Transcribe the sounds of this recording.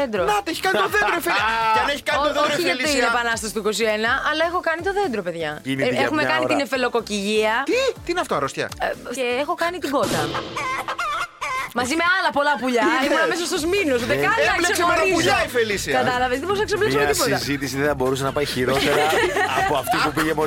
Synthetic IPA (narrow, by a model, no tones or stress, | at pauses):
end̪ɾonɐt̪eçi̥kɐnit̪oθed̪ɾoifeliɐneçi̥kɐniot̪ooɾiɐlit̪oinepɐnɐst̪ɐsi̥t̪uiko̞sienɐɐlɐe̞xo̞kɐnit̪o̞ðend̪ɾo̞pe̞ðʝɐinexumekɐnnit̪inefelo̞ko̞ciʝiɐt̪it̪iineɐft̪oɐɾost̪çɐ̰eexo̞kɐnit̪iɡo̞t̪ɐ | mɐzime̞ɐlɐpo̞lɐpuʎɐimunɐmes̬ɐst̪ozminos̬ut̪ekɐnɐɐsesemɾiuʎɐifelisiɐkɐt̪ɐlɐvezðebɾusnɐksevleksumeiipot̪zit̪isiðeθɐbo̞ɾus̬enɐpɐiçiɾot̪eɐpoɐft̪ipupiʝemo